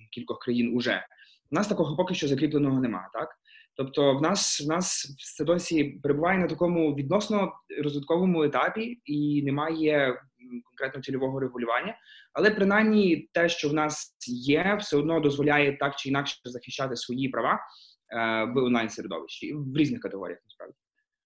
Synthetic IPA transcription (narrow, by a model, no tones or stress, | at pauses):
kʲilʲkɔxkɾɐjinʊʒɛ̰ | nɑst̪ɐkɔɦɔpɔkɪʃt͡ʃɔzɐkɾʲiplˠenɔɦɔnemɑ̰t̪ɑk | t̪ɔpt̪ɔwnɑswnɑsɛd̪ɔsʲipeɾebʊʋɑjɛnɐt̪ɐkɔmʊʋʲid̪nɔsnɔɾɔzʋɪt̪kɔʋɔmʊet̪ɑpʲiinemɑjɛ | kɔnkɾɛt̪nɔt̪ʲilʲɔʋɔɦɔɾeɦʊlʲʊʋɑnʲːɐɐlˠɛpɾɪnajmnʲit̪ɛʃt͡ʃɔwnɑsjɛwsɛɔd̪nɔd̪ɔzʋɔlʲajɛt̪ɑkt͡ʃɪinɑkʃzɐxɪʃt͡ʃɑt̪ɪsʋɔjipɾɐʋɑ | ʋɪɔnlˠajnseɾʲʊd̪ɔ̰ʋɪʃt͡ʃiʋɾʲiznɪxkɐt̪eɦɔ̰ɾʲḭjɐ̰xnɐspɾa̰ʋdʲi